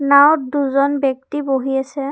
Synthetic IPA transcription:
nawt̚duzɔnbɔk̚tiboɦiasɛ

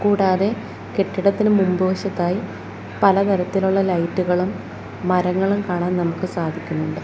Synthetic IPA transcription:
kuːɽaːðe̞ | ke̞ʈːiɽɐt̪ːinɨmumboːɕɐt̪ːaːji | pɐlɐt̪ʰɐɾɐt̪ːiluɭːɐlɐjtːuɣɐɭumː | ɐɾɐŋːɐɭumkaːɳaːnnɐmukːɨsaːd̪ʱikʲːunːuɳɖɨ

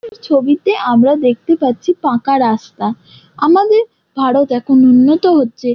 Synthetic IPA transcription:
ɾt͡ɕʰobit̪eʔamɾad̪ek̚ʰt̪epatːɕʰipãkaɾast̪a | amad̪eɾ | bʱaɽot̪ɛkʰonunːot̪oɦotːɕʰe

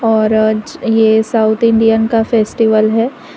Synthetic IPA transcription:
ɔːɾd͡ʒjesaːʊt̪ʰɪ̃ɳɖijənkafeːsʈiʋəlɦɛː

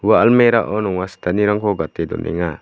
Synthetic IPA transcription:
waːlmeɾaʔɔnɔŋast̪ʰaniɾaŋkʰɔɡat̪ed̪ɔ̰nʔɛ̰ŋa

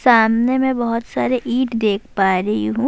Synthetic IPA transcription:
saːmnemɛ̃bɐɦʊt̪saːɾeʔiːʈd̪eːkʰpaːɾɐɦiɦũ

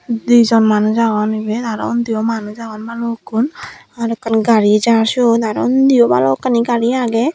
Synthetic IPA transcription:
d̪ujzɔnmanuzaɡɔnibed̪aɾɔ̰ɔnd̪iɔmanuzaɡɔnbalɔkːunaɾɛkːanɡaɾid͡ʒaɾsd̪aɾɔ̰ɔnd̪iɔba̰lɔɔkːaniɡaɾiaɡɛ

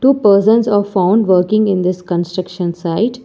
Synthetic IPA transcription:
ʈuːpəːɾsə̃nzaːfãʊ̃ɳɖʋəːɾkɪ̃ŋɡɪ̃nd̪ɪskə̃nsʈɾəkʃə̃nsaɪʈ

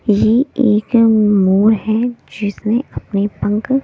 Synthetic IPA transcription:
jeeːkmuːɾɦɛd͡ʒɪsneɐpnepɐ̃ŋk

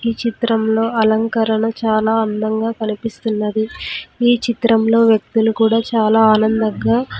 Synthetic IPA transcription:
iːt͡ʃit̪ɾɐmlo̞ːɐlɐŋkɐɾɐɳɐt͡ʃaːlaːɐnd̪ɐŋɡaːkɐnipist̪unːɐd̪iiːt͡ʃit̪ɾɐmlo̞ːʋjɐk̚t̪ulukuːɽaːt͡ʃaːlaːaːnɐnd̪ɐŋɡaː

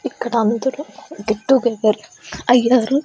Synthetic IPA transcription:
ikːɐɽɐnd̪ɐɾuɡeʈːuɡeːɡɐɾeɐjːaːɾu

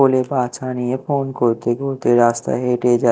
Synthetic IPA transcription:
olebat͡ʃʰanijefonkoɾt̪eɡʱoɾt̪eɾast̪a̰ɦeʈed͡ʑa

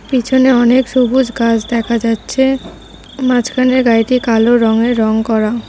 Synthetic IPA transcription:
pit͡ɕʰoneɔnekʃubud͡ʑʱɡad͡ʑʰd̪ɛkʰad͡ʑatːɕʰe | mãt͡ɕkʰaneɾɡajʈikaloɾɔŋeːɔŋkɔɾa

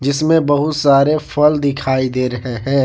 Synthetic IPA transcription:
d͡ʒɪsmẽbɐɦʊt̪saːɾefʰəld̪ɪkʰaːid̪eːɾɐɦeɦɛ̃ː

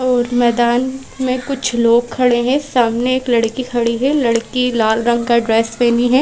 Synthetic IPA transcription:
ɔːɾmɛːd̪aːn | mẽkʊt͡ʃʰloːɡ̚kʰɐɽeɦɛ̃saːmneeːklɐɽkikʰɐɽiɦɛlɐɽkilaːlɾɐ̃ŋɡkaɖɾeːspeːniɦɛː

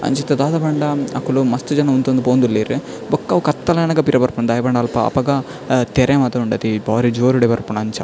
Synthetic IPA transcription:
ɐ̰ɲt͡ʃit̪ːɐd̪aːd̪ɐbɐɳɖɐɐ̰kːulumɐst̪ud͡ʒɐnɐunt̪und̪ipoːnd̪ulːeːɾi | bɔkːɐʋkɐt̪ːɐlɐjɐnɐɡɐpiɾɐbɐɾpunɐd̪ɐjɐbɐɳɖɐːlpɐɐ̰pɐɡɐ | t̪eɾʔeːmɐt̪ɐuɳɖɐt̪ibaːɾid͡ʒoːɾuɽebɐɾpunɐɲt͡ʃɐ

